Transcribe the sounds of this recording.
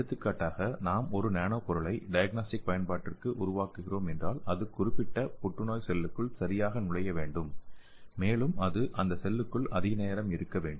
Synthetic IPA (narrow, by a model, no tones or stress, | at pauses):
ɐt̪ːɯkːaːʈːaːɣɐnaːmɔɾɯneːɳoːpɔɾɯɭɐɪɖɐjɐɡ̚naːsʈɪk̚pɐjɐnpaːʈːɪrkɯʔʊɾʊʋaːkɯɣɪroːmɛndraːlɐðɯkʊɾɪpːɪʈːɐpɔʈːɯnoːjsɛlːɯkːɯɭsɐɾɪjaːɣɐnʊɽɐjɐʋeːɳɖɯmː | eːlɯmɐðɯʔɐnd̪ɐsɛlːɯkːɯɭɐðɪɣɐneːɐɾɐmɪɾɯkːɐʋeːɳɖɯ